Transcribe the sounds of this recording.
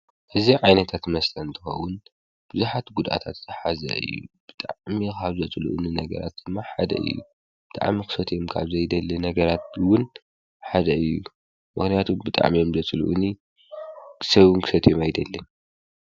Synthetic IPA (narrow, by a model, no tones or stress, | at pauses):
ʔɨziʕajnɐt̪ʰat̪mɐst̪ʰɐnnt̪ʰɨxɐ̰wʊn | b̥ɨzuħat̪ɡud̪ʔa̰t̪ʰat̪z̥ɐħazɐ̰ɨ̰jːṵb̥ɨt̪ʼaʕmikʰaβzɐt͡sʼlṵʔṵninɐɡɐ̰ɾa̰t̪̚d̪̥ɨmːaħad̪ɐ̰ʔɨ̰jːṵ | b̥ɨt̪ʼa̰ʕmikʰɨ̥sɐt̪ʰjo̞mkʰa̰βzɐjd̪ɐlːɨnɐɡɐɾat̪̚wʊn | ħad̪ɐɨjːu | mɨxnijat̪ʰumbɨt̪ʼa̰ʕmijomzɐt͡sʼlṵʔuni | sɐβunkʰɨsɐt̪ʰjomajd̪ɐlːɨn